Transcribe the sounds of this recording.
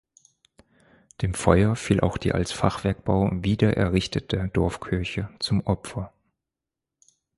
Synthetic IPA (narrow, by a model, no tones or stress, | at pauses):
d̥eːmfɔʏɐfiːlʔa̰ʊxd̥ḭːʔa̰lsfaχv̥ɛɐk̚b̥aʊviːdɐʔɛ̰ɐʁɪçtʰətʰəd̥ɔɐfkʰʏɐçət͡sʊmʔɔpfɐ